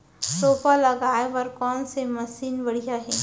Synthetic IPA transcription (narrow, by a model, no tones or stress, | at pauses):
soːpalɐɡaːeʋɐɾkɔːnsemɐsiːnbɐɽ̤ijaɦɛː